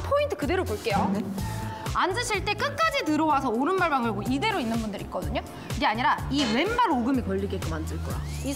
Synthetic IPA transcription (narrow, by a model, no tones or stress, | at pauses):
pʰointʰɯ̥kɯde̞ɾoboɭk͈e̞jo | and͡ʑɯɕʰiɭt͈e̞k͈ɯk̚k͈ad͡ʑitɯɾʌwasʰʌoɾɯnmaɭmaŋɯɭɡoide̞ɾoinːɯnbundɯɾik͈̚ʌdɯɲo | kiɡe̞aɲiɾaiwe̞nːaɾoɡɯmikʌʎːiɡet̚k͈omandɯɭk͈oa̰i